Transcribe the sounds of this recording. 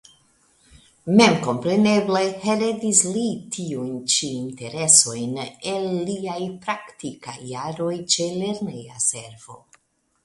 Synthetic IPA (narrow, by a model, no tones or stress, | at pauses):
me̞mko̞mpɾe̞ne̞bleheɾedislitʰiujnt͡ʃiːnte̞ɾe̞so̞jne̞lːiajpɾaktika̰jːaɾo̞jt͡ʃe̞le̞ɾneja̰se̞ɾv̥o̞̰